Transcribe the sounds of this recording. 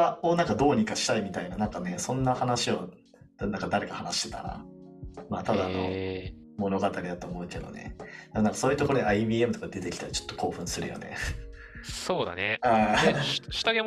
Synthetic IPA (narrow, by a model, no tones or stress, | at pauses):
aonãŋkad̪o̞ːɲ̟ikaɕi̥t̪aimʲit̪ainanãŋkane̞sõ̞nːahanaɕio̞ | nãŋkad̪aɾe̞kahanaɕi̥t̪e̞t̪a̰ɾa̰ | maːt̪ad̪aːno̞̰ | mo̞no̞ɡat̪aɾʲid̪at̪o̞ːmo̞ɯ̟ke̞d̪o̞̰ne̞̰d̪emonãŋkḁsoːiɯ̟t̪ooɾo̞d̪eaibʲiːe̞mɯ̟t̪o̞kad̪ed̪e̞t̪e̞kʲi̥t̪aɾit͡ɕo̥t̪ːo̞kʰo̞ːɸɯ̟̃ɰ̃sɨɾɯ̟̰jo̞̰ne̞̰ | soːd̪a̰nea | ɕi̥t̪aɡe